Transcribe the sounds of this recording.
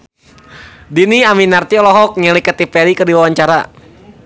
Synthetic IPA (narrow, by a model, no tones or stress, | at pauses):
diniaminart̪iɔlɔɦɔk̚ɲəlikət̪ipɛlikədiwawaɲt͡ʃaɾa